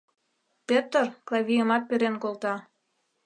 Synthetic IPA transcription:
pʲet̪ərklɑvʲijəmɑt̪̚peɾenkolt̪ɑ

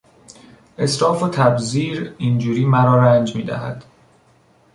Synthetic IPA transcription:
ʔe̞sɾɒːfot̪ʰæbziːɾind͡ʒuːɾiːmæɾɒːɾænd͡ʒmiːd̪æ̰ɦæ̰d̪̥

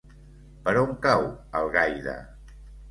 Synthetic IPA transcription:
pəɾoŋkawəlˠɣajðə̰

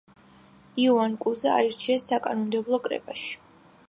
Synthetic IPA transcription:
iuankʼuzaa̰iɾt͡ʃʰiasakʼanɔmd̪ɛblˠɔkʼɾɛ̰pʼaʃi̥

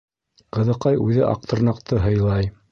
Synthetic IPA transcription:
qɤ̆ðɤ̆qɑjʉðɘʔɑ̰q̚t̪ɤ̆ɾnɑqt̪ɤɦɤ̆jlˠɑj

